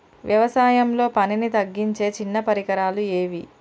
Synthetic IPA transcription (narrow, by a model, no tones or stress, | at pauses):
ʋjɐʋɐsaːjɐmlo̞ːpɐninit̪ɐɡːiɲt͡ʃe̞ːt͡ʃinːɐpɐɾikɐɾaːlueːʋi